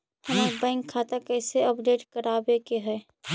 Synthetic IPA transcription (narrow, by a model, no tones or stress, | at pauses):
hɐmakbɛ̃ːŋkʰːaːt̪akɛːseɐpɖeːʈkɐɾaːbekeɦɛː